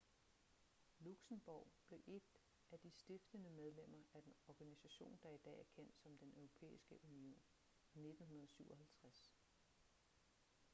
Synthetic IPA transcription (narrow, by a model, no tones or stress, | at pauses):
luɡ̥sənb̥ɒʊb̥le̝ʔe̝d̥ | ʔæd̥isd̥e̝fd̥ənəmeð̞ˠlem̰ɐæd̥enɒɡ̥ænisæɕo̝̰ːnd̥ɑ̈id̥ɛ̰ːæɐkʰen̰d̥sɒ̽md̥enøʊʁo̝pʰḛːisɡ̥əʔunio̝̰ːn | ne̝d̥n̩ɦunɐð̞ˠsyʊ̰ɒ̽ɦælt͡sʰʁas